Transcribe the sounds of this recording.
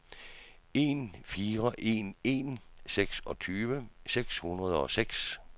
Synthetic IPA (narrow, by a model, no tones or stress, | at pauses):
e̝nfiːʁɐʔe̝ne̝nseɡ̥sɒ̽t͡sʰyːʋəseɡ̥shunʁɐð̞ˠɒ̽seɡ̥s